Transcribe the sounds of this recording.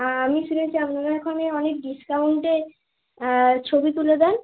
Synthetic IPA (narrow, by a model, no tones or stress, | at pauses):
amiʃunet͡ɕʰiamnobʱaekʰɔneɔnek̚ɖiskawɳʈe | t͡ɕʰobit̪uled̪ɛn